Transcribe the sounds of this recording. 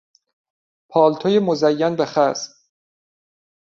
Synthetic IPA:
pʰɒːlt̪ʰojemozæjːænbeχæs

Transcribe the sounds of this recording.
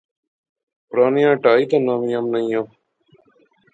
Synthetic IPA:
pɾaːnjãːʈaːiːt̪ãːnãːmijãːmnəĩjãː

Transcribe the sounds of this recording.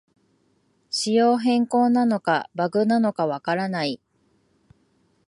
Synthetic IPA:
ɕijo̞ːɦẽ̞ŋko̞ːnano̞kabaɡɯ̟nano̞kaβakaɾanai

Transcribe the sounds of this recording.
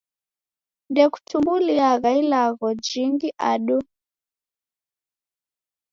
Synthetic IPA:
ndɛku̥tʰumbuliaɣailaɣɔd͡ʒiŋɡiʔaɗu

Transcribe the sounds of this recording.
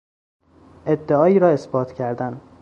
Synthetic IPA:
ʔe̞d̪ːeɒːiːɾɒːe̞sbɒːt̪ʰcʰæɾd̪æn

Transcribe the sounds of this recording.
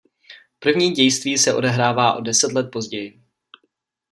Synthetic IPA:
pr̩vɲiːɟɛjst̪viːsɛʔo̞̰dɛɦɾaːvaːʔo̞dɛsɛt̪lɛt̪̚po̞zɟɛjɪ

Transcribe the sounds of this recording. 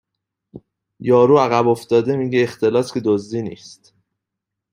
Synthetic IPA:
jɒːɾuːæɣæbo̞fd̪ɒːd̪e̞miːɟeːxt̪e̞lɒːscʰe̞d̪ozd̪iːnḭːst̪

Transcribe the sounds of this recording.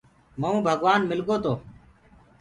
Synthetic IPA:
məũːbʱəɡʋaːnmɪlɡoːt̪oː

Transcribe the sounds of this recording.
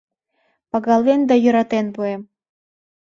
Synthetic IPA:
pɑɣɑlβend̪ɑjə̆ɾɑt̪enpuem

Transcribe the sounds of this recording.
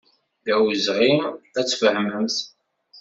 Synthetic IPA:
ðæwzʁimæt͡sːfəhməmθ

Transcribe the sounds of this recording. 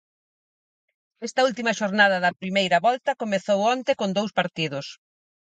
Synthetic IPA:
ɛst̪ɐult̪imɐʃoɾnað̞ɐðɐpɾimejɾɐβɔlt̪ɐkomeθowɔnt̪ekond̪owspaɾt̪iðʊs

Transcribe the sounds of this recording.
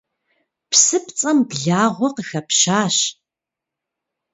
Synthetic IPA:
psɨpt͡sʼɐmbɮaːʁʷɔqəxɐpʃaːɕ

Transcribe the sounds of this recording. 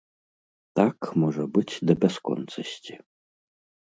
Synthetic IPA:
t̪akmɔʐɐbɨt͡sʲd̪ɐbʲɛskɔ̰nt̪sɐsʲtʲi

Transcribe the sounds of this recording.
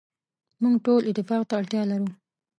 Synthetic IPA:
muŋɡʈolʔɪt̪ːɪfɑqt̪aːɽt̪jɑlaɾu

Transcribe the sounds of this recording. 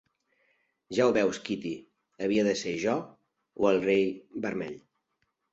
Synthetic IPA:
ʒawβɛwskit̪i | əβiəðəseʒɔ | oəlˠrejbəɾmɛ̰ʎ

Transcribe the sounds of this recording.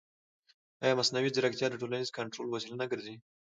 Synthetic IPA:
ajɑmasnawizɪɾakt̪jɑd̪əʈolanizkaɳʈɾolwasilanaɡəɾzi

